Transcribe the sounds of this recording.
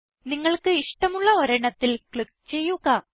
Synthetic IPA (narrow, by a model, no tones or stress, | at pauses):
niŋːɐɭkɨiʂʈɐmuɭːɐʋɐɾɐɳɐt̪ːilkɭikt͡ɕe̞jːuɣɐ